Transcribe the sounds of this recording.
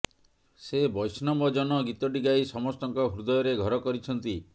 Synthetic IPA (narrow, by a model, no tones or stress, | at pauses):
sebɔjsnɔmbɔd͡ʒɔnɔɡit̪ɔɖiɡajsɔmɔst̪ɔŋkɔɦɾud̪ɔjɔɾeɡʱɔɾɔkɔɾit͡ʃʰɔnt̪i